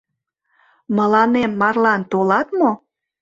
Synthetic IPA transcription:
mə̆lɑnemːɑrlɑnt̪olɑt̪mo

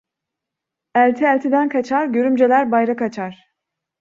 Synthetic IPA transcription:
ælʲt̪ʰiælʲt̪ʰid̪ænkʰat͡ʃʰaɾɟø̞ɾymd͡ʒelʲæɾbajɾakat͡ʃʰaɾ̥

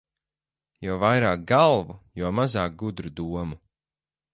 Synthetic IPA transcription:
jɔːvajɾaːk̚ɡalˠvujuɔmazaːk̚ɡud̪ɾud̪uɔmu

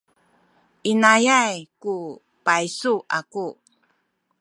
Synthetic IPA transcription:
ʔinajajku | pajsuʔaku

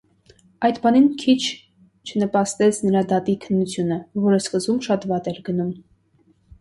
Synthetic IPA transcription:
ɑjd̪bɑninkʰit͡ʃʰ | t͡ʃʰənəpɑst̪ɛt͡sʰnəɾɑd̪ɑt̪ikʰənːut͡sʰjunəvɔɾəskəzumʃɑt̪vɑt̪ɛɾɡənum

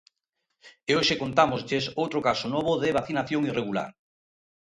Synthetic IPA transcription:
eoʃekont̪amozʎesowt̪ɾokasonɔβ̞oðeβ̞aθinaθjoŋireɣula̰ɾ

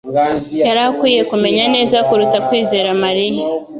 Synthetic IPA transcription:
jaɾakwiːje̞kume̞ɲane̞ːzakuɾutakwiːze̞ːɾamaɾija

